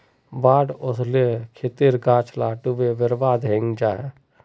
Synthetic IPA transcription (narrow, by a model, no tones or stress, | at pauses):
baːɖʊslekʰɪt̪iɾɡaːt͡ʃʰlaːʈuʋeʋəɾʋaːd̪ɦɪŋɡd͡ʒaːɦɛː